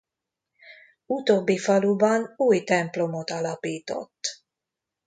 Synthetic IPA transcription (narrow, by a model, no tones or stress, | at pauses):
ut̪oːbːifɒlubɒnuːjt̪ɛmplo̞mot̪ɒlɒpiːt̪o̞̰t̪ː